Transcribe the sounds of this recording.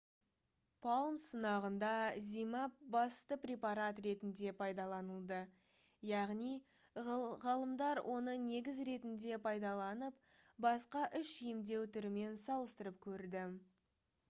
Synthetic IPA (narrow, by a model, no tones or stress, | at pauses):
pʰɑlˠmsənɑʁənd̪ɑzijmɑp̚bɑst̪əprʲepɑɾat̪ɾe̞t̪ɪnd̪e̞pʰɑjd̪ɑlˠɑnəlˠd̪ə | jɑʁnij | ʁɑlˠəmd̪ɑɾwʔo̞nəne̞ɡʲɪzɾe̞t̪ɪnd̪e̞pʰɑjd̪ɑlˠɑnəp̚ | bɑsqɑʔʏʃijɪmd̪e̞wt̪ʰʏɾɪme̞nsɑlˠəst̪əɾəp̚kʲʰɵɾd̪ɪ